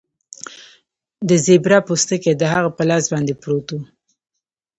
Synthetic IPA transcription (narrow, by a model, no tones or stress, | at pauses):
d̪əzebɾapust̪əked̪əɦaɣapəlazbɑnd̪epɾot̪u